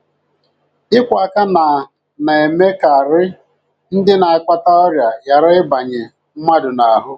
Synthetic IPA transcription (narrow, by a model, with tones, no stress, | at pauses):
ɪ˦kʷa˨ka˦na˨ | na˨e˨me˦ka˨ɾɪ˦ | n̩˦dɪ˦na˨a˨kʷa˦ta˦ɔ˦ɾja˨ja˨ɾɪ˦ɪ˦ba˨ɲɪ˨ | m̩˦ma˦dʊ˨na˨ɦʊ˦